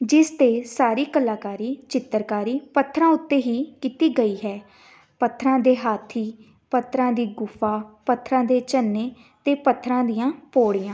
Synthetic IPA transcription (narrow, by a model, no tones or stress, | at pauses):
d͡ʒɪst̪eːsaːɾiːkəlaːkaːɾiːt͡ʃɪt̪ːəɾkaːɾiːpət̪ʰːɾãːʊt̪ːeːɦiːkiːt̪iːɡəiːɦɛː | pət̪ʰːɾãːd̪eːɦaːt̪ʰiː | pət̪ʰːɾãːd̪iːɡʊfʰaːpət̪ʰːɾãːd̪eːt͡ʃənːeː | t̪eːpət̪ʰːɾãːd̪ɪjãːpoːɽiːãː